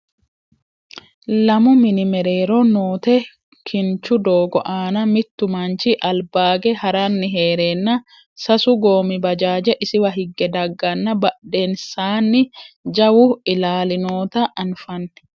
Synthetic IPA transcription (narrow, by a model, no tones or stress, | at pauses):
lɐmʊmɪnɪmɛɾeːɾonoːt̪ɛ | kʰɪnt͡ʃʊd̪oːɡɔ̰ʔaːnɐmɪt̪ːʊmɐnt͡ʃɪʔɐlbaːɡɛhɐɾɐnːɪɦeːɾeːnːɐ | sɐsʊɡo̞ːmɪbɐd͡ʒaːd͡ʒɛʔɪsɪwɐɦɪɡːɛd̪ɐɡːɐnːɐbɐɗːe̞ːnsaːnːɪd͡ʒɐwʊɪlaːlɪnoːt̪ɐʔɐnfɐnː